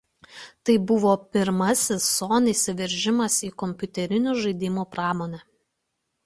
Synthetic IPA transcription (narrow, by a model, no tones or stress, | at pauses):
t̪ɐɪbʊʋoːpʲɪɾmɐsʲɪsːoːniːsʲɪʋʲɛɾʲʒʲɪmɐsiːkɔmʲpʲʊt̪ʲɛɾʲɪnʲuːʒɐɪd̪ʲɪmuːpɾɑːmoːnʲɛ